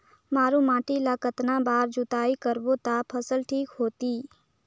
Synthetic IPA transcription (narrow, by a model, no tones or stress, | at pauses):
maːɾũmãːʈilakət̪nabaːɾd͡ʒut̪aːikəɾbot̪apʰəsəlʈʰiːkɦoːt̪iː